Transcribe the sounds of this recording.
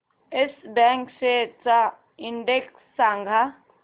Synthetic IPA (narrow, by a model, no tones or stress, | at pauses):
ɪsbɛ̃ːŋkset͡ʃa | ɪ̃ɳɖeksːãːŋɡʱa